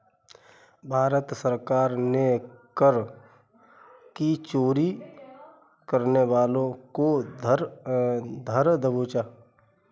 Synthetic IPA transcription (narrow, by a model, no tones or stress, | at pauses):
bʱaːɾət̪səɾkaːɾnekəɾ | kit͡ʃoːɾi | kəɾneʋaːlõko | d̪ʱəɾd̪əboːt͡ʃaː